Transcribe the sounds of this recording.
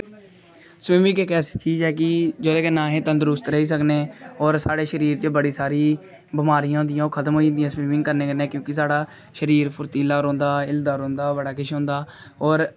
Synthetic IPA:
sʋiːmɪ̃ŋɡekɛːsi̥ːt͡ʃiːzɦɛːkɪd͡ʒoːd̪eːkeːnãːɦẽːt̪ə̃nd̪əɾʊst̪ɾəɦiːs̬əkneːɔːɾsaːɽeːʃəɾiːɾt͡ʃəbəɽiːsaːɾiː | bɪmaːɾijãːd̪ɪjãːokʰət̪əmɦoːind̪ɪijãːsʋiːmɪ̃ŋɡkəɾneːkəɾnẽːkjõːkɪsaːɽaː | ʃəɾiːɾpʰʊɾt̪iːlaːɾõːnd̪aːɪld̪aːɾõːnd̪aːbəɽaːkɪʃɦõːnd̪aː | ɔːɾ

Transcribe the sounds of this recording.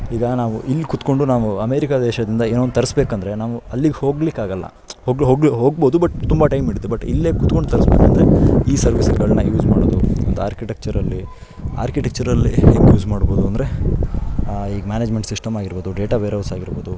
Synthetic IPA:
iːɡɐnaːʋuʔilːkut̪ko̞ɳɖunaːʋuɐmeːɾikad̪ɛːʃɐd̪ind̪ɐeːnoːnt̪ɐɾisbeːkɐnd̪ɐɾe̞naːʋuɐlːiɡeho̞ːɡlikaːɡɐlːɐ̰ | hoːɡɦoːɡliɦoːɡ̚bo̞ːd̪ubɐʈːt̪umbɐʈɐjmiɽid̪ebɐʈːḭlːeːkut̪ko̞ɳɖut̪ɐɾisbeːkuɐnd̪ɾeiːsɐɾʋisɐɡɐɭnɐjuːd͡ʒmaːɽoːd̪uond̪ua̰ːɾkiʈek̚t͡ʃɐɾɐlːi | a̰ːɾkiʈek̚t͡ʃɐɾɐlːiːɡjuːd͡ʒmaːɽbo̞ːd̪uɐnd̪ɾe̞ | iːɡɐmʲjaːneːd͡ʒme̞ɳʈsisʈɐmaːɡiɾboːd̪uɖeːʈaʋeːɾɐwsaːɡiɾboːd̪u

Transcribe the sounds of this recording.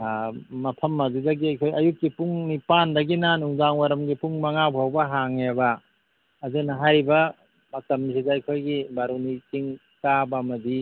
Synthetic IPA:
mɐpʰɐmːazidaɡiɐjkʰojɐjukːipuŋnipandɐɡinanuŋzaŋwaɾɐmɡipuŋmaŋabawbɐɦaŋebɐː | zɯnɐɦajɾibɐ | mɐtɐmːisʰizajkʰojɡibaɾunikiŋ | kabamɐdi

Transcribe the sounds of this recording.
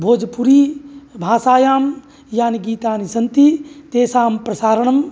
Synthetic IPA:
bʱoːd͡ʒpuɾiːbʱaːsaːjaːm | jaːniɡiːt̪aːnisɐnt̪it̪eːsaːmpɾɐsaːɾəɳɐm

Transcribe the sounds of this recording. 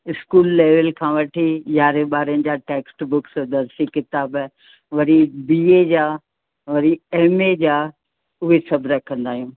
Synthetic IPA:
ɪskuːlːeːʋəlkʰãːʋɐʈʰiʄaːɾeɓaːɾənɪ̆d͡ʑaːʈeːksʈbʊksd̪ɐɾsikɪt̪aːb | ʋɐɾibiːed͡ʑaː | ʋɐɾieɦmed͡ʑaː | ʊɦesɐbɾɐkʰə̃nd̪aːɦijũː

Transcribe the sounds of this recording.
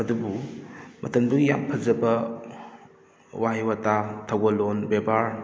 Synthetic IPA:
ɐdubumɐtɐmduja̰mpʰɐzɐbɐ | waɦiwatatʰawɡɐlonbebaɾ

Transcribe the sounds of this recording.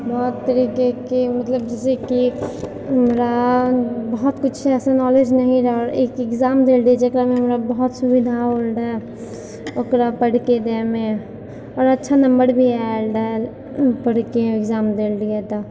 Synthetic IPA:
bɔːt̪ːəɾiːkekemɐt̪ləbd͡ʒɛːseki | ɦəmɾa | bəɦʊt̪kʊt͡ʃʰɛːsanɔːled͡ʒnɐɦĩɾɐɦɔːɾeːkɪkzaːmd̪eːld̪ied͡ʒekɾamẽɦəmɾabɔɦɔt̪sʊbɪd̪ʱaolɖaɦɛ | oːkɾapəɽ̤ked̪emẽ | ɔːɾətːʃʰanɐ̃mbəɾbʱiɛlɖa | pəɽ̤keɪkzaːmd̪eːld̪iet̪o

